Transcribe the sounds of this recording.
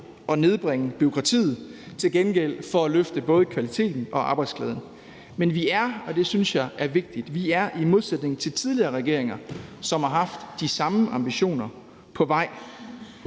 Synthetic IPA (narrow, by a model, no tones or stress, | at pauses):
ɒ̽ne̝ð̞ˠb̥ʁeŋəb̥yo̝kʰʁɑ̈t͡sʰḭːð̞̩ˠ | t͡sʰe̝lɡ̥enɡ̥el̰fɒ̽æløfd̥əb̥ɔ̽ːð̞ˠəkʰʋælit͡sʰe̝̰ːd̥n̩ɒ̽ʔɑ̈ːb̥ɑ̈ɪ̥skʰlɛ̰ːðˠn̩ | menʋiæɐɒ̽d̥e̝synsjɑ̈ɪʔæɐʋe̝ɡ̥̚d̥id̥ʋiæɐʔimo̝ð̞ˠsed̥ne̝ŋ̩t͡sʰe̝lt͡sʰið̞ˠliɐːʁɛɡ̥e̝̰ɐeŋɐsɒ̽mhɑ̈ɦɑ̈fd̥ːisɑ̈məʔɑ̈mb̥iɕo̝̰ːnɐ | pʰɒ̽ʋɑ̈ɪ̰